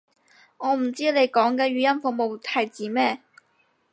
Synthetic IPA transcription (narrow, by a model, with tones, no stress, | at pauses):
ŋɔː˨˧m̩˨˩t͡siː˥le˨˧jkɔː˨˥ŋkɛː˧ɥyː˨˧jɐ˥nfʊ˨˧k̚mo˨wt̪ʰɐ˨˩jt͡siː˨˥mɛː˥˩